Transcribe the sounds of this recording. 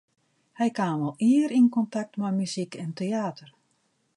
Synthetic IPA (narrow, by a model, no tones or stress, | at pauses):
hɛjkaːmɔlˠiəɾinkɔntak̚tmajmyzikɛnteaːtər